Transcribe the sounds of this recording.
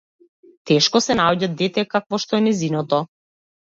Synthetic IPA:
t̪ɛʃkɔsɛnaɔɟad̪̚d̪ɛt̪ɛkakvɔʃt̪ɔɛnɛzinɔt̪ɔ

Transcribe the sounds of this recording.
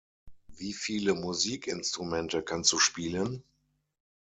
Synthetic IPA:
viːfiːləmuziːkɪnstʁ̥umɛntəkʰanstd̥uːʃpiːlən

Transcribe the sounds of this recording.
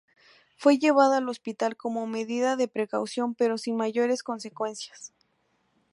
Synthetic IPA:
fwe̞ʝe̞β̞aðaːlo̞spit̪alko̞mo̞me̞ðiðaðe̞pɾe̞kawsjo̞mpe̞ɾo̞sinmaʝo̞ɾe̞sko̞nse̞kwe̞nsjḁs

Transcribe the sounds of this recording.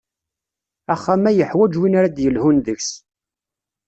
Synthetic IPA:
æχːæmæjəħwæd͡ʒwinaɾad̪jəlhunðəçs

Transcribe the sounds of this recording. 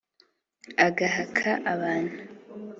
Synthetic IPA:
aɡaɦakʰaʔaβaːnhu

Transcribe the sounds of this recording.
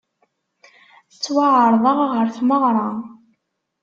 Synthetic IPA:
θət͡sːwaʕəɾˤðˤəʁʁəɾθməʁɾˤɑ

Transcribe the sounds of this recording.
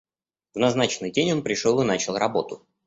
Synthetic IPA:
vnɐznat͡ɕɪnːɨjdʲenʲo̞npɾʲɪʂolˠɨnat͡ɕɪlˠrɐbo̞t̪ʊ

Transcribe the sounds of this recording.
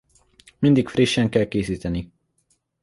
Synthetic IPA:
mind̪ikfriʃːɛŋkɛlkeːsiːt̪ɛni

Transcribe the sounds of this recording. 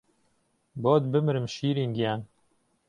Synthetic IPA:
boːd̪bɨmɨɾɨmʃiːɾiːnɡijaːn

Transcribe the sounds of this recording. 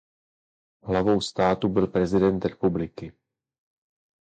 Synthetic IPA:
ɦlavo̞wst̪aːt̪ubɪlpɾɛzɪdɛnt̪ɾɛpublɪkɪ

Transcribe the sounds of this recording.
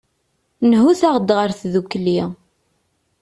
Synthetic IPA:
nɦuθaʁd̪ʁəɾθðukːli

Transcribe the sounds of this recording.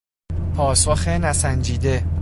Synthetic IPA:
pʰɒːsoxe̞næsænd͡ʒiːd̪e̞

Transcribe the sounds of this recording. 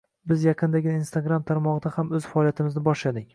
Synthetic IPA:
bɪzjɑqʰɨnd̪aɡʲɪinst̪aɡɾamt̪ʰaɾmɒʁɨd̪ahamɵz̥faɒlijat̪ʰɪmɪznɪbɒʃlad̪ɪŋʲ

